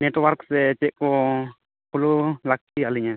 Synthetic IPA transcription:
nɛʈwaɾksɛt͡ʃɛʔkɔ | kululak̚tialiɲa

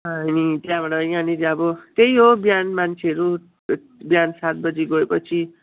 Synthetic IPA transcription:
ʌɦʌnit̪jãbʌʈaʌjkaniɾiʌbʌt̪eiɦobjanmant͡sʰeʌɾu | bjansat̪̚bʌd͡ziɡʌɽepʌt͡sʰi

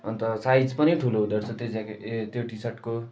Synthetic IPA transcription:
ʌnt̪ʌsajd͡zpʌniʈʰuloɦud̪ʌɾt͡sʰʌt̪ed͡zakt̪joʈisʌʈko

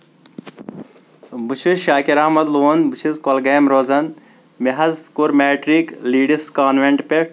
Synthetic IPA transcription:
but͡ʃʰiʃaːkiɾaːmɐd̪loːnbut͡ʃʰizkolɡɐjmɾoːzɐn | meɦɐzkuɾmeːʈɾiːkliːɖiskaːnʋeɳʈpe

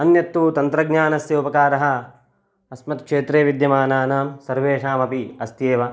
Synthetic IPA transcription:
ɐnjɐt̪ːuːt̪ɐnt̪ɾɐɡ̚ɲaːnɐsjɐupɐkaːɾɐɦɐ̆ | ɐsmɐt̪kʂeːt̪ɾeːʋid̪jɐmaːnaːnaːmsɐɾʋeːʂaːmɐpiɐst̪jeːʋɐ

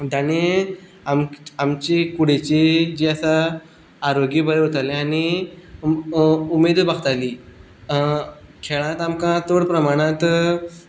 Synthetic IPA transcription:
d̪añe | amamt͡ɕikuɽ̤et͡ɕid͡ʑiːasa | aɾoɡiːbʱəɾɦot̪alẽaɽ̃i | umed̪baɡt̪aliː | kʰeɭãt̪amkãt̪oɽpɾəmaɽ̃ãt̪

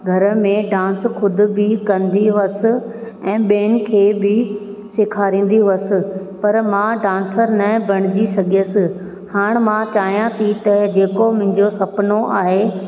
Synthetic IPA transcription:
ɡʱɐɾəmẽɖãːnsxʊd̪ʱʊ̆bɪkɐ̃nd̪iʋɐsɪ̆ | ɛ̃ːɓeːn̆kʰeːbɪseːkʰaːɾĩːn̆d̪iʋɐsɪ̆ | pɐɾmãɖãːnsəɾnɐbɐɽ̃ɪd͡ʑisɐɡʱijəsɪ̆ | haːɽ̃mãt͡ɕaːɦijãt̪ʰit̪ɐd͡ʑeːkomʊ̃ɦɪ̃ɲd͡ʑosɐpnoʔaːɦe

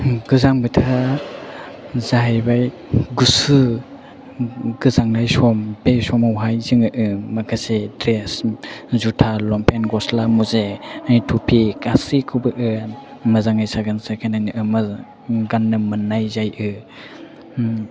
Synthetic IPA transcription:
ɡɯzaŋbɯtʰa | zaɦajbaj | ɡusɯ | ɡɯzaŋlajsɔmbesɔmawɦajzɯŋɯʔɯmakʰasedɾeszutʰalɔmpʰenɡɔslamuzeanitʰupʰikasikʰubɯʔɯmɐzaŋajsaɡansakʰajnanɯʔɯma | ɡanːɯmɯnːajzajʔɯ

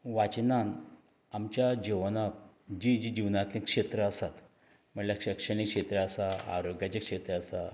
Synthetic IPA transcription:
ʋat͡ɕnan | amt͡ɕjad͡ʑiʋna | d͡ʑid͡ʑid͡ʑiʋnat̪lẽkʂet̪ɾəəsat̪ | m̤əɳlakʂəkʂəñikʂet̪ɾəəsaa̰ɾoɡjat͡ɕakʂet̪ɾəəsa

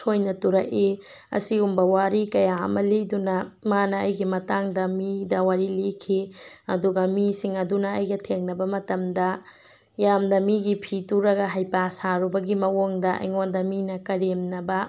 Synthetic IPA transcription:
sojnɐtuɾɐkiɐ̰siumbɐwaɾikɐjaɐ̰mɐlidunɐmanɐɐjɡimɐtaŋdɐmidɐwaɾilikʰiɐduɡɐmisiŋɐdunɐɐjɡɐtʰeŋnɐbɐmɐtɐmdɐ | jamdɐmiɡipʰituɾɐɡɐɦajpasaɾubɐɡimɐwoŋdɐɐ̰jŋondɐminɐkɐɾemnɐbɐ

